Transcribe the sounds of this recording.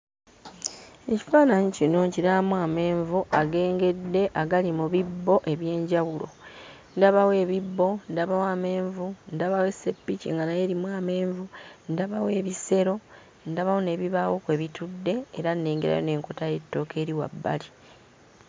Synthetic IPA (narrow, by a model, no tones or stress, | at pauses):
e̞ci̥faːnaɲicino̞ɲciɾamuwaːme̞ːɱvuʔaɡe̞ːŋɡe̞dːe̞ʔaɡalimuβibːo̞ʔe̞βje̞ːɲɟawulo̞̰ | ndaβawe̞ːβibːo̞ndaβawame̞ːɱvundaβawe̞sːe̞pːicḭŋɡanajeɾimwaːme̞ːɱvundaβawe̞βise̞ɾo̞ | ndaβawone̞βiβawokwe̞ːβitudːe̞ːɾanːeːŋɡeɾa̰jone̞ːŋkotaje̞tːo̞ːke̞ːɾiwa̰bːa̰li